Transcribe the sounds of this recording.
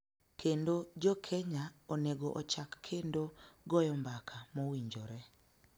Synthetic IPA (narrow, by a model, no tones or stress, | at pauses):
kendod͡ʒɔkʰeɲaɔneɡoʔɔt͡ʃakːʰendoɡɔjɔmbakʰamɔwiɲd͡ʒɔɾɛ